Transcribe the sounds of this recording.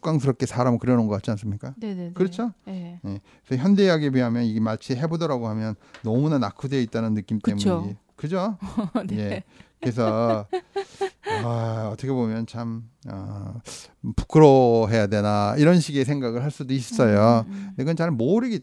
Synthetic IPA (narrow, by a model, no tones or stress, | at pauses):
k͈aŋs̬ʰɯɾʌp̚k͈e̞sʰaɾamɯɭkɯɾjʌnɯnɡʌk͈at̚t͡ɕ͈ians͈ɯmɲik͈aekɯɾʌt͡ɕʰojekɯsʰʌçjʌnde̞jaɡepɥiɦamjʌniɡemaɭt͡ɕʰiɦe̞bodʌɾaɡoɦamjʌnːʌmunanakʰudeit̚t͈anɯnːɯk͈imtɯe̞muɲi | kɯd͡ʑo | je̞kes̬ʰʌ | aʌtʰʌkʰe̞bomjʌnt͡ɕʰamʌ̰ | pu̥kʰɯɾoɦe̞jade̞naiɾʌnɕʰiɡesʰe̞ŋɡaɡɯɭɦaɭs͈udois͈ʌ̥s͈ʌjondeɡɯnt͡ɕaɭmoɾɯɡe